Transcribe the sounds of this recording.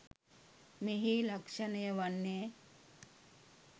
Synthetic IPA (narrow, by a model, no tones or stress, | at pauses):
meɦiːlakʂanəjəʋanːeː